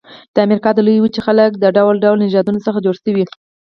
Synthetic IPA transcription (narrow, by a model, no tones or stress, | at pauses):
d̪̥əamɾikɑd̪əlujwut͡ʃexalək̚d̪əɖawlɖawlnɪʒɑd̪unosəxad͡ʒoɽsəwi